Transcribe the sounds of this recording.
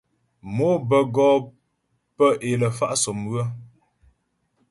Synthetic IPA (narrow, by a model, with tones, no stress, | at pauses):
mo˦bə˨ɡɔː˦ | pə˦ʔe˨lə˨fa˦ʔso˨mɰə˦